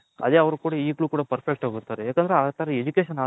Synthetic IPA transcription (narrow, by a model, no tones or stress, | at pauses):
ɐ̰d̪eːɐʋɐɾukuːɽɐiːkɭuːkuːɽɐpɐɾpʰek̚ʈaːɡuɾt̪aːɾejaːkɐnd̪ɐɾeaːt̪ɐɾɐed͡ʒukeːʃɐnaː